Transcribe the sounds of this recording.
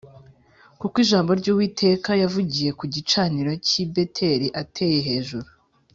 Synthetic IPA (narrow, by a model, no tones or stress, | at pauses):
kukwiʒaːmbo̞ɾɟuːwiːtʰe̞kajavuɟije̞kuɟit͡ʃaniɾo̞cibe̞tʰe̞ɾiʔatʰe̞je̞ɦe̞ːʒuɾu